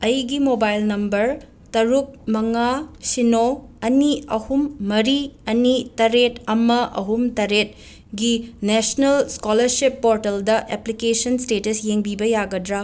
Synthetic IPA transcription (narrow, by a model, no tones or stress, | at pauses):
ɐjɡimobajlnɐmbɐɾ | tɐɾuk̚mɐŋasinoɐniɐhumːɐɾiɐnitɐɾetɐmɐʔɐ̰ɦumtɐɾet̚ | ɡinesnɐlskolɐɾsipːoɾtɐldɐʔeplikesɐnstetɐsjeŋbibɐjaɡɐdɾa